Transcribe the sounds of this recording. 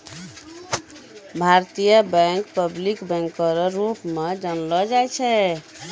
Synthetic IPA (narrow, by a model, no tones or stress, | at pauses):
bʱaɾt̪ijəbɛ̃ŋkpəblikbɛ̃ŋkːəɾɔɾupmed͡ʒənlɔd͡ʒajt͡ʃʰɛ